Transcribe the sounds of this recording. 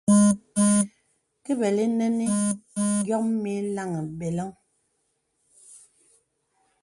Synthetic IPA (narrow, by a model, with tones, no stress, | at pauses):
ke˦bɛ˨le˦nɛ˦ni˦ŋ˦ɡjɔ˦me˦la˦˨ŋe˨be˨lɔ˦ŋ